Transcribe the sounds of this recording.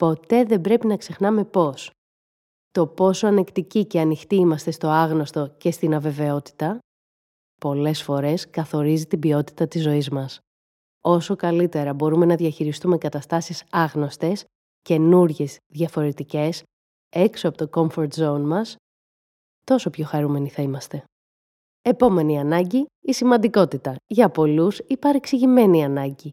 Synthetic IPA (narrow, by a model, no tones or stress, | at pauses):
po̞t̪e̞ðe̞bɾe̞pinɐkse̞xnɐme̞po̞s | t̪o̞po̞soɐne̞kt̪icice̞ɐnixt̪iimɐst̪e̞st̪o̞ɐɣno̞st̪o̞ce̞st̪inɐve̞ve̞o̞t̪i̥t̪ɐ | po̞le̞sfo̞ɾe̞skɐθo̞ɾizit̪ibio̞t̪i̥t̪ɐt̪izːo̞izmɐs | o̞so̞kɐlit̪e̞ɾɐbo̞ɾume̞nɐðiɐçiɾist̪ume̞kɐt̪ɐst̪ɐsisɐɣno̞st̪e̞s | ce̞nuɾʝe̞zðʝɐfo̞ɾe̞t̪ice̞s | e̞ksoɐpot̪o̞ko̞ɱfo̞ɾt̪zo̞unmɐs | t̪o̞so̞pço̞xɐɾume̞niθɐimɐst̪e̞ | e̞po̞me̞niɐnɐɲɟiisimɐnd̪iko̞t̪it̪ɐʝɐpo̞lusipɐɾeksiʝime̞niɐnɐɲɟi